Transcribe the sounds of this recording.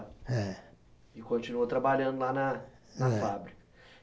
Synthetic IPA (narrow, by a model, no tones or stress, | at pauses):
ɛ | ɪkõt͡ʃinuɐt̪ɾɐbaʎɐ̃nd̪ʊlanɐnɐfabɾikɐ̥